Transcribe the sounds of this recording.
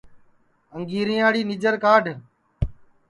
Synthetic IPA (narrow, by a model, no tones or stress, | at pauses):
əŋɡiːɾĩːaːɽiːnɪd͡ʒəɾkaːɖʱ